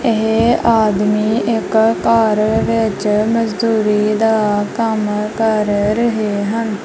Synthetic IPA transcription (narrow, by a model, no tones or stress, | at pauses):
eɦaːd̪miːʔɪkkaːɾʋɪt͡ʃməd͡ʒd̪uːɾiːd̪aːkəmkəɾɾəɦeɦən